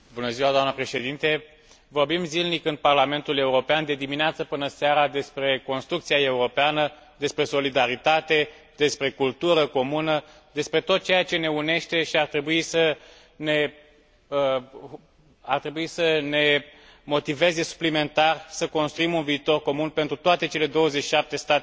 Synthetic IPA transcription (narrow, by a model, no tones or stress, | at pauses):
bunəziwad̪oanəpɾe̞ʃe̞d̪int̪e̞ | vo̞rbimzilnikɨnparlame̞nt̪ule̞uɾo̞peand̪e̞d̪imineat̪səpɨnəseaɾad̪e̞spɾe̞ko̞nst̪ɾukt̪siae̞uɾo̞peanə | d̪e̞spɾe̞so̞lid̪aɾit̪at̪e̞ | d̪̥e̞spɾe̞kult̪uɾəko̞munə | d̪e̞spɾe̞t̪o̞t̪̚t͡ʃe̞jat͡ʃe̞ne̞une̞ʃt̪e̞ʃiart̪ɾe̞buisə | ne̞ | ə | art̪ɾe̞buisəne̞mo̞t̪ive̞ze̞su̥plime̞nt̪arsəko̞nst̪ɾuimunviːt̪o̞rko̞munpe̞nt̪ɾut̪oat̪e̞t͡ʃe̞le̞d̪o̞wəzet͡ʃʃiʃap̚t̪e̞st̪at̪e